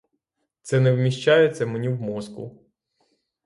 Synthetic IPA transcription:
t̪sɛnɛwmʲiʃt͡ʃɑjɛt̪sʲɐmenʲiwmɔzkʊ̰

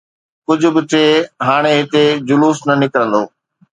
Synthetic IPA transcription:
kʊd͡ʑʱʊ̆bɪt̪ʰeɦaːɽ̃eɦɪt̪ed͡ʑʊluːsnɐnɪkɾə̃nd̪o̰ː

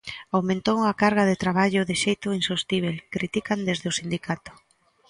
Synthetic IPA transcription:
awmẽnt̪owuŋakaɾɣ̞aðɪt̪ɾaβ̞aʎʊðɪʃejt̪ʊinsost̪iβ̞elkɾit̪ikand̪ezðeʊsind̪ikat̪ʊ̥

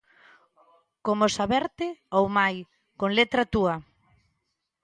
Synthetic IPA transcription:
komosaβɛɾt̪ɪowmaj | koŋlet̪ɾat̪uɐ

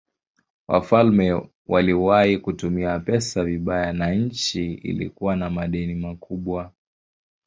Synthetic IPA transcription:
wa̰falmɛ | waliwaikutumiapɛsaviɓajanaɲ̩t͡ʃiḭlḭkuwanamaɗɛnimakuɓwa

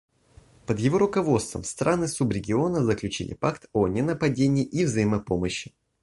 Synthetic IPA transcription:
pəd̪jɪvo̞ɾʊkɐvo̞t̪st̪və̰mst̪ɾanɨsubɾʲɪɡʲɪo̞nəzəklʲʉt͡ɕḭlʲɪ̰pakt̪onʲɪnəpɐdʲenʲɪːʔivzɐjɪməpo̞məɕːɪ

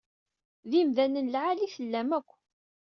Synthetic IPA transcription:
ðimðænənlʕaliθəlːæmækʷː

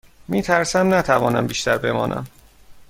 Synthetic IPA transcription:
miːt̪ʰæɾsæmnæt̪ʰævɒːnæmbiːʃt̪æɾbe̞mɒ̰ːnʔæ̰m

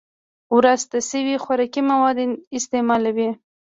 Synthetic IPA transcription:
wɾazt̪asəwixwaɾɑkimawɑd̪eɪst̪emɑlawi

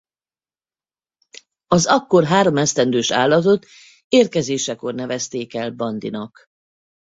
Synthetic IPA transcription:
ɒzɒkːo̞rɦaːɾo̞mɛst̪ɛnd̪øːʃa̰ːlːɒt̪o̞t̪ | eːrkɛzeːʃɛko̞rnɛvɛst̪eːkɛlbɒnd̪ḭnɒk

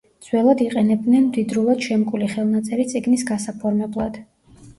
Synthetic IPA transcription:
d̪z̥wɛlˠad̪iqʼɛnɛb̚d̪nɛnmd̪id̪ɾulˠad̪̥ʃɛmkʼuliχɛlˠnat̪sʼɛɾit̪sʼiɡnisɡasapʰɔɾmɛblˠad̪̥

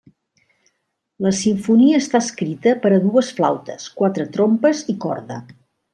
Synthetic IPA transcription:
ləsiɱfuniəːst̪aəskɾit̪əpəɾəðuəsfla̰wt̪ə̰skwat̪ɾət̪ɾompəzikɔ̰ɾðə

